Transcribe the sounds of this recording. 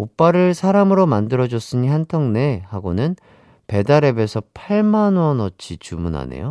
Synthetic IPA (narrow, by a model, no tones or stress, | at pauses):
op͈aɾɯɭsʰaɾamɯɾomandɯɾʌd͡ʑos͈ɯɲiɦantʰʌŋne̞haɡonɯn | pe̞daɾe̞be̞sʰʌpʰaɭmanwʌnʌt͡ɕʰit͡ɕumunɦa̰nḛjo